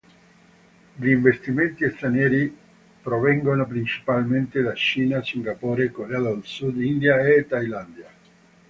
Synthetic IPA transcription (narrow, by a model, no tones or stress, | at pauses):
ʎiːɱvest̪iment̪iest̪ɾanjɛːɾi | pɾovɛŋɡonopɾint͡ʃi̥palment̪ed̪at͡ʃiːnasiŋɡapɔːɾekoread̪aelsud̪ind̪jaet̪ːajland̪ja